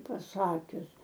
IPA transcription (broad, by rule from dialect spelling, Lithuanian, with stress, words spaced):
pɐˈsɑːkʲʊs